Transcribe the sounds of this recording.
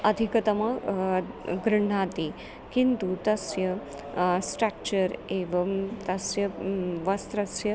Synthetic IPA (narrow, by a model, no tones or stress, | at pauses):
ɐd̪ʱikɐt̪ɐmɐ | ɡɾəɳ̤at̪i | kint̪ut̪ɐsjɐ | sʈɾak̚t͡ɕəɾeʋɐmt̪ɐsjɐʋɐst̪ɾɐsjɐ